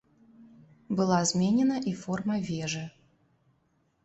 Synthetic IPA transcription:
bɨlˠazmʲenʲɛnɐʔifɔrmɐvʲeʐɨ

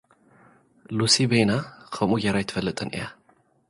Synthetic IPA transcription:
lusibejnakʰɐmujaɾajɪt̪ʰfɐlːɨt̪ʼɨnʔḭja

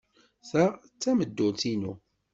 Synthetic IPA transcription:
θæ | t͡sːæməd̪ːʊlt̪inu

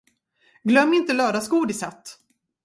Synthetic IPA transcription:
ɡlœmːɪnt̪əlœːd̪askuːɖɪsat̪ː

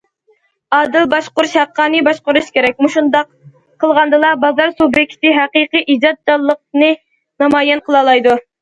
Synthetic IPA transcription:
ɑːd̪ɪlbɑʃqʊɾuʃhæqʰːɑːnɨbɑʃqʊɾuʃkʲeɾɛk̚ʲmuʃund̪ɑq | qʰəlˠʁɑnd̪ɨlˠɑbɑzɑɾsubjɛkʲʰt̪ʰɪɦæqiqɨʔid͡ʒɑt̪̚d͡ʒɑlˠːəq̚nɨ | nɑmɑːjɛnqʰəlˠɑlˠɑjd̪u

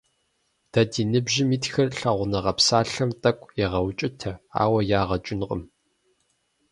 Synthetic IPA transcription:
d̥ɐdiːnɨbʒɪmiːtxɐrɬɐʁʷʊnɐʁɐpsaːɬɐmtʼɐkʷʼɛʁɐwt͡ʃʼɪtʰɐa̰ːwɐjaːʁɐt͡ʃʼɪnqʼə̰m

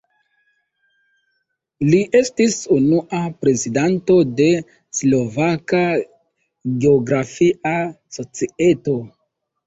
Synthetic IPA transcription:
liʔe̞stisunuʔapɾe̞zidanto̞de̞ | slo̞vaka | ɡeoɡɾafia | so̞t͡sie̞to̞

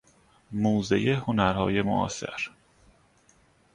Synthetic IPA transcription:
muːzḛjehonæɾhɒ̰ːje̞mo̰ʔɒ̰ːsḛɾ

